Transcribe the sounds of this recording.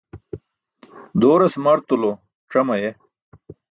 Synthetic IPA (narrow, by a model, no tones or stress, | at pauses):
d̪oːɾɐsmɐɾt̪ulo | ʈ͡ʂɐmɐje